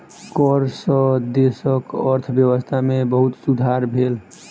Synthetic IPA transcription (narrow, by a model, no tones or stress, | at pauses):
kɔɾsə̃d̪esəkəɾt̪ʰbjəwəst̪ʰamebəɦut̪sud̪ʱaɾbʱel